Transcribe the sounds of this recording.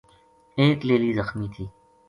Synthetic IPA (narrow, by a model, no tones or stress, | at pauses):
eːkleːliːzəxmiːt̪ʰiː